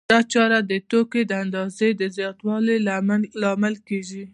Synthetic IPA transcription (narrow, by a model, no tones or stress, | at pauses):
d̪̥ɑt͡ʃɑɾad̪ət̪oked̪əand̪ɑzed̪əzjɑt̪wɑlelamlɑmalkeʒi